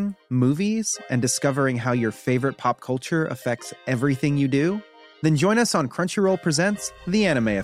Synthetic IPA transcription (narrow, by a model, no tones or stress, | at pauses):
ŋmuviz̥ʔɨ̃ndɨskʌvə˞ɪ̃ŋɦaʊjə˞feɪvə˞ɨt̚pʰɑp̚kʰʌlˠt͡ʃə˞ʔə̰fɛk̚tsɛvɹiθɪ̃ŋjɨdʉ | ðɨ̃nd͡ʒɔ̃ɪ̃ñʌsn̩kʰɹ̥ʌ̃nt͡ʃə˞ɹoʊlˠpʰɹ̥ɨzɛ̃ntsðiæɾ̃ɨmeɪɨ